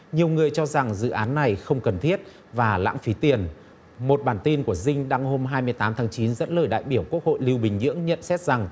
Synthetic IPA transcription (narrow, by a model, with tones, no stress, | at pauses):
ɲi˨˩əwŋɨ˨˩əjt͡ɕɔ˧za˨˩ŋzɨ̰˧˨ʔaː˨˦nːa˨˩jxə˧wŋ͡mkə˨˩nt̪ʰi˦˥ət̚ | vaː˨˩la̰ː˧˥ŋfi˨˦t̪i˨˩ən | mo˨˩t̚ɓaː˧˩nt̪i˧nku˧˩əzï˧ŋ̟ɗa˧ŋho˧mɦaː˧jmɨ˧əjt̪aː˨˦mt̪ʰaː˨˦ŋt͡ɕi˨˦nzə̰˧˥nləː˧˩jɗa̰ː˧˨jɓi˧˩əwku˦˥ək̚ho̰˧˨jli˧wɓï˨˩ŋ̟ɲɨ̰˧˥əŋɲə̰˧˨nsɛ˦˥t̚z̥a˨˩ŋ